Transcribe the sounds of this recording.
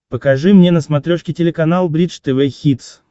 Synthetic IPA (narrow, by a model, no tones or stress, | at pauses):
pəkɐʐɨmnʲenəsmɐt̪ɾʲoʂkʲɪtʲɪlʲɪkɐnalˠbɾʲit͡ʃt̪ɛvɛxʲit̪s